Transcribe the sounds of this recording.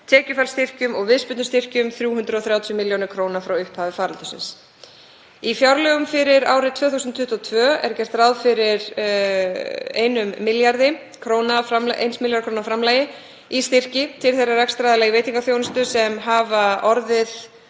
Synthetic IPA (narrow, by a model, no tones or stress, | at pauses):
t̪ʰɛːcʏfalst̪ɪr̥cʏmɔɣvɪspʏt̪nʏst̪ɪr̥cʏmθɾjuːɦʏnt̪ɾʏɔθɾjawt̪ʰjʏmɪljownɪɾkʰɾoːwnafɾawʏhphaːvɪfaːɾɪlt̪ʏsɪ̰ns | ifjawɾlœɣʏmfɪɾɪɾa̰ːwɾɪt̪ʰv̥œːθusʏnt̪ʰʏht̪ʰɔt̪ʰvœːɛ̰ɾcɛr̥t̪rawðfɪɾɪɾ | ḛjnʏmːɪljaɾðɪ | kʰɾoːwnafɾamlʔḛjnsmɪljaɾkʰɾoːwnafɾamlɛjɪ | ist̪ɪr̥cɪt̪ʰɪlθejrarakst̪ɾajðɪlaɣiveːjt̪iŋkaθjownʏst̪ʏsɛmɦaːvaʔɔɾðɪð